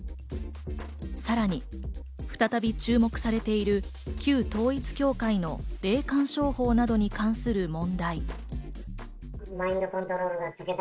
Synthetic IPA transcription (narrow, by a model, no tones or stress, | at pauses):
saɾaɲ̟i | ɸɯ̟̥t̪at̪abʲit͡ɕɨːmo̞kɯ̟̥saɾe̞t̪e̞iɾɯ̟kʲɨːt̪o̞ːit͡sɨ̥kʲo̞ːkaino̞ɾe̞ːkãɰ̃ɕo̞ːho̞ːnad̪o̞ɲ̟ikãɰ̃sɨɾɯ̟mõ̞nd̪ai | maĩnd̪okõnt̪oɾoːɾɯɡat̪ɨket̪